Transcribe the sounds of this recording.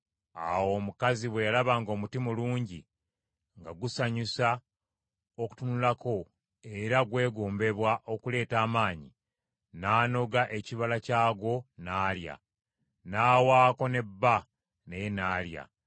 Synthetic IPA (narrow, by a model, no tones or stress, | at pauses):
a̰wo̞ːmukaziβwejalaβaːŋɡo̞ːmutimuluːɲɟi | ŋɡaɡusaɲusa | oku̥tunulako̞ | e̞ɾaɡwe̞ːɡoːmbe̞βwaʔo̞kule̞ːtaːmaːɲi | naːno̞ɡaʔe̞ciβalacaːɡo̞naːlja̰ | naːwaːko̞ne̞bːa | ne̞jenaːlja̰